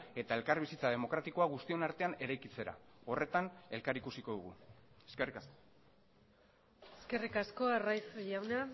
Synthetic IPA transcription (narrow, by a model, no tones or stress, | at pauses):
e̞t̪ae̞lkaɾβisit͡sað̞e̞mo̞kɾat̪iko̞aɣ̞ust̪io̞naɾt̪e̞ane̞ɾajkit͡se̞ɾa̰o̞re̞t̪ane̞lkaɾikusiko̞ðuɣ̞ueskerik | eske̞rikasko̞arajfʝawna